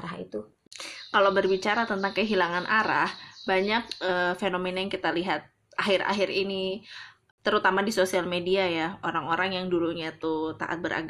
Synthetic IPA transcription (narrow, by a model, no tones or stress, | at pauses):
ɾaɦḭt̪u | kalowbərbit͡ʃaɾat̪ənt̪aŋkəɦilaŋanʔaɾahbaɲak̚əfenomenajaŋkit̪aliɦat̪̚ | ʔaɦɪɾa̰ɦɪɾini | t̪əɾut̪amadisosialmediajaoɾaŋoɾaŋjaŋduluɲat̪ut̪a̰ʔa̰t̪̚bəɾa̰ɡ